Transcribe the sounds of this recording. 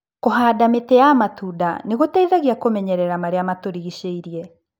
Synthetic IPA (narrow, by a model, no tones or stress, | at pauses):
koɦaːdametɛjamatuːda̰neɣotaiðaɣiakomɛɲɛɾɛɾamaɾeamatoɾiɣiɕeiɾiɛ